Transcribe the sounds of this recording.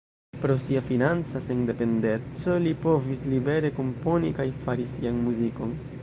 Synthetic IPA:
pɾo̞siafinant͡saseŋnde̞pe̞nde̞nt͡so̞lipo̞vislibe̞ɾe̞ko̞mpo̞nikajfaɾisianmuziko̞n

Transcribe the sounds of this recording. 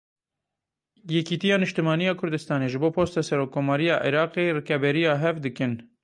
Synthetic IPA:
jɛkiːt̪ijɑːnɨʃt̪ɨmɑːnijɑːkʰʊɾd̪ɨst̪ɑːneːʒɨboːpʰoːst̪ɑːsɛɾoːkʰːoːmɑːɾijɑːʔḭɾɑːqeːrekɛbɛɾijɑːɦɛvd̪ɨkɨn

